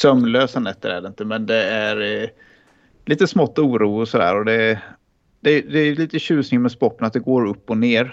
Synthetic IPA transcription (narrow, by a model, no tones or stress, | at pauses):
sœmːløːsand̪ɛt̪ːə̰ɾæ̰ɖɛɪnt̪əmɛnd̪ɛæɾ | liːt̪əsmɔt̪ːuːɾuːɔsɔd̪æ̰ːɾɔd̪ɛ | d̪̥ɛjd̪ɛːjliːt̪əɕʉ̟ːsnɪŋmɛspɔʈːənat̪̚d̪ɛɡoːɾɵpːɔneːɾ